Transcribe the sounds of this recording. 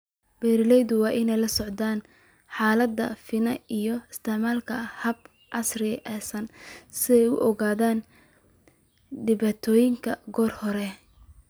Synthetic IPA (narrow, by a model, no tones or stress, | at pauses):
b̥ɛːɾɪlɛjðʊwɑːʔɪnɛjlɐsɔʕd̪aːn | ħaːlɐd̪ɐ̰fɪnɐijɔɪst̪ʰɛʕmaːlkʰɐhɐb | ʕɑsrɪʔɛsɐnsɪɛjʊ̰ʔɔɣaːðaːn | ɖɪβaːt̪ʰɔːjɪŋkʰɐɡɔːrhɔɾɛ